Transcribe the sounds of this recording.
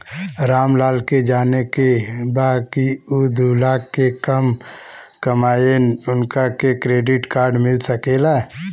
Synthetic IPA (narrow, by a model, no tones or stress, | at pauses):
ɾaːmlaːlked͡ʒaːnekebaːd̪̚kiud̪ʱuːlaːɡkekəm | kəmaːjenʊnkakekɾeːɖɪʈkaːɾɖmɪlsəkeːla